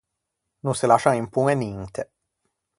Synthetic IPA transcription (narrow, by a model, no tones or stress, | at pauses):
nunsɪlaʃaŋimpuŋeniŋt̪ʰe